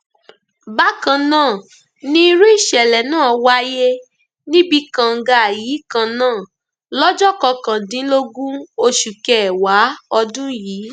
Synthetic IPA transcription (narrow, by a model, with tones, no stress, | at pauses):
ba˦kã˧˨nãː˦˨ | nĩ˦i˦ɾu˦i˦˨ʃɛ˨lɛ˨nãː˦˨wa˧˦je˦ | nĩ˦bi˧kã˧˨ŋ̩˧ɡa˧˨a˨jiː˨˦kã˧nãː˦˨ | lɔ˦d͡ʒɔ˦kɔ˧kã˨dĩ˨˦lo˦ɡũ˦o˧ʃu˨kɛ˨wa˨˦ɔ˧dũ˦jiː˨˦